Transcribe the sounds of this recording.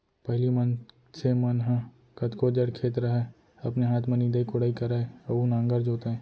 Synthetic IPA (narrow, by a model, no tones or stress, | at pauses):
pɛɦɪlimɐn | semɐnɦə̃ | kɐt̪kod͡ʒəɽkʰeːt̪ɾəɦɛ | ɐpneɦaːt̪ʰmẽniːd̪əikʊɽaːikɐɾaeɐunãːŋɡəɾd͡ʒoːt̪eɦɛ̃ː